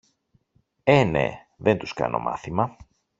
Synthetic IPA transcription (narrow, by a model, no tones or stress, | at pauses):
ene̞̰ | ðent̪uskɐ̰no̞mɐ̰θimɐ